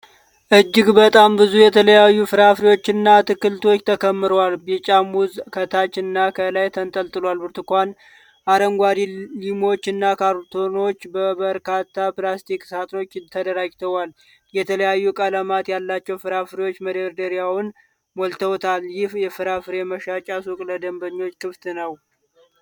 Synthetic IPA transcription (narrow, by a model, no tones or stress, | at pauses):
ʔɨd͡ʒːɪɡbət̪ʼambɨzujɛt̪ʰələjajːufɨɾafɾewo̞t͡ʃːɪnːat̪ʰɨkɨlt̪ʰo̞t͡ʃːt̪ʰəkʰəmːɨɾwalbɛt͡ʃʼamuzkʰət̪ʰat͡ʃːɨnːakʰəlajt̪ʰənt̪ʼəlt̪ʼɨlwalbɨɾt̪ʰɨkʷan | ʔaɾəŋɡʷad̪ilimo̞t͡ʃːɨnːakʰaɾt̪ʰono̞t͡ʃːbəbəɾkat̪ʰːaplast̪ʰikʼsat̪ʰʼnot͡ʃːt̪ʰəd̪əɾad͡ʒt̪ʰəwal | jɛt̪ʰələjajːukʼələmat̪jalːat͡ʃːɛwfɨɾafɨɾewo̞t͡ʃːməd̪əɾd̪əɾijawʊn | mɔlt̪ʰəwt̪ʰaljɪfjɛfɨɾafɨɾeməʃat͡ʃʼasukʼləd̪əmbəɲːo̞t͡ʃːkʰɨβt̪nəw